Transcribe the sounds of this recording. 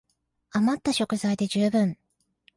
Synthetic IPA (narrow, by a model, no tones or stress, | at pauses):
amat̪ːaɕo̞kɯ̟zaid̪e̞ʑɨːbɯ̟̃ɴ